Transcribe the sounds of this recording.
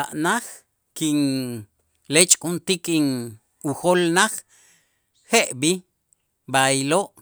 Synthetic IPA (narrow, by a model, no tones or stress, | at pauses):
aʔnax | kiŋ | let͡ʃʼkʼunt̪ikiŋ | uxolnaχ | heʔbi | bajiloʔ